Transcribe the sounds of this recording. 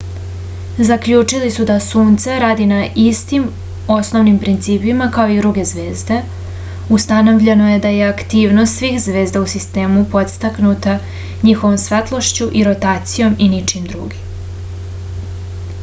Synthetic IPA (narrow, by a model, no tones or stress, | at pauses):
zakʎuːt͡ʂilisud̪asuːnt̪seɾaːd̪inaʔist̪im | o̞sno̞ʋnimpɾint̪siːpimakao̞id̪ɾuɡe̞zʋe̞ːzd̪e̞ | ust̪ano̞ʋʎe̞no̞je̞d̪aje̞akt̪iːʋnost̪sʋiːxzʋe̞ːzd̪ausist̪e̞ːmupo̞d̪st̪aknut̪a | ɲixo̞ʋo̞msʋet̪lˠo̞ʃt͡ɕuʔiɾo̞t̪aːt̪sijo̞minit͡ʃimd̪ɾṵːɡim